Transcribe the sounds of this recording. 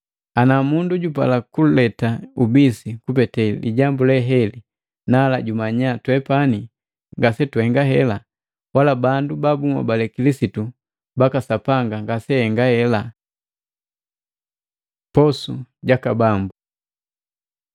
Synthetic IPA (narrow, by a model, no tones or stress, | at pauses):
anamunduɟupa̰lakulɛtaubisikup̬ɛtɛḭɟambulɛɦɛli | nalaɟumaɲatwɛpani | ŋɡasɛtuhɛŋɡaɦɛla | walabandubabumwa̰balɛkilisitu | bakasapaŋɡaŋɡasɛhɛŋɡahɛla | pɔsuɟakabambu